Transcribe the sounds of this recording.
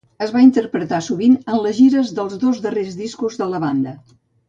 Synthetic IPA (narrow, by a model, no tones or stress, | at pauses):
əzβaint̪əɾpɾət̪asuβinənləzʒiɾəzðəlˠzðozðərezðiskuzðələβand̪ə